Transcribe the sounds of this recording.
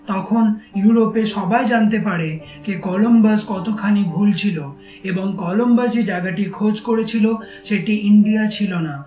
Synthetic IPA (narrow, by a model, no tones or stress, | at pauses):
t̪ɔkʰonjuɾopeʃɔbaed͡ʑant̪epaɾe | kekɔlombaskɔt̪okʰanibʱult͡ɕʰilo | eboŋkɔlombasd͡ʑed͡ʑaɡaʈikʰod͡ʑkoɾet͡ɕʰilo | ʃeʈiiɳɖijat͡ɕʰilona